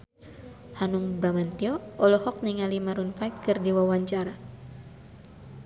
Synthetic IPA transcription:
hanuŋbɾamant̪iɔɔlɔhɔk̚niŋalimaɾunfaikkɨrdiwawaɲt͡ʃaɾa

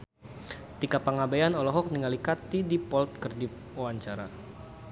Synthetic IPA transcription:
t̪ikapaŋabajanɔlɔɦɔk̚niŋalikat̪idipɔlt̪̚kərdi | wawaɲt͡ʃaɾa̰

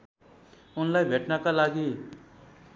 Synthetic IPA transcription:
ʊnlaːibʱeʈnakalaːɡiː

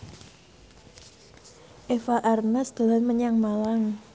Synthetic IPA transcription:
ʔefaʔarnasd̪̥o̤lanməɲaŋmalaŋ

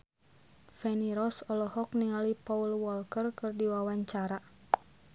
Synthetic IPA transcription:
fɛniɾɔsɔlɔhɔk̚niŋalipɔulwɔlkərkɨrdiwawaɲt͡ʃaɾa

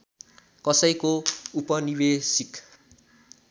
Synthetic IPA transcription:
kʌsʌjkoupʌniwesik

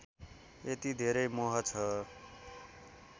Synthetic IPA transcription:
et̪id̪ʱeɾʌjmoɦʌt͡sʰʌ

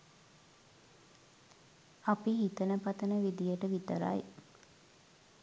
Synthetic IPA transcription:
apiɦit̪ənəpat̪ənəʋid̪ijəʈəʋit̪əɾa̰j

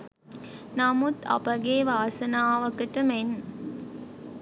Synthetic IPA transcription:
namut̪ɐ̰pɐɡeːʋaːsɐnaːʋɐkəʈəmen

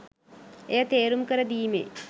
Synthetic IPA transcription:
ejət̪eːɾumkəɾəd̪iːmḛ

